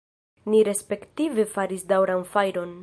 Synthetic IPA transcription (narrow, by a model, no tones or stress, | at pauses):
niɾe̞spe̞ktive̞faɾisdawɾanfajɾo̞n